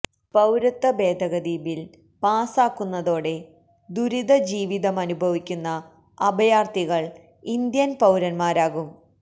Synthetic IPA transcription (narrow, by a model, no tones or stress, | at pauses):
pɐwɾɐt̪ːɐbe̞ːd̪ʱɐɣɐd̪iːbil | paːsaːkːunːɐðo̞ːɽe̞ | d̪uɾiðɐd͡ʑiːʋiðɐmɐnubʱɐʋikʲːunːɐ | ɐbɐjaːrt̪iɣɐɭ | ind̪jɐnpɐwɾɐnmaːɾaːɣum